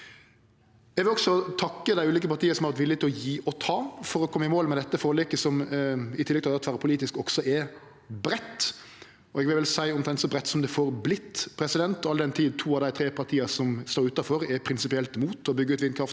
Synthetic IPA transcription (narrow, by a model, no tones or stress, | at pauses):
ɛɡʋɪlɔksɔt̪ʰɑkːəd̪æɪʉːliːkəpɑɾt̪iːəɾsɔm̩ɑɾʋɑɾt̪ʋɪlːɪt̪ʰɪlɔjiːʔɔt̪ʰɑːfɔɾɔkʰɔmːəɪmoːlmɛd̪ɛt̪ːəfoːɾlɪkəsɔmɪt̪ɪlɛɡ̚t̪ʰɑɑt̪fæːɾəpʰʊliːt̪ɪskɔksɔʔɛɾ | bɾɛt̪ː | ɔɛɡʋɪlʋɪlsæɪɔmt̪ʰɛnt̪sɔbɾɛt̪ːsɔmd̪ɛfɔɾblɪt̪ːpʰɾɛsɪd̪ɛnt̪ɔɑld̪ɛnt̪ʰiːd̪t̪ʰuːɑʋd̪æɪt̪ʰɾeːpʰɑɾt̪ʰiːəsɔmst̪oːɾʉːt̪ɑfɔɾɛɾpʰɾɪnsɪpɪɛlt̪muːt̪ɔbʏɡːəʉːt̪ʋɪnkʰɾɑft̪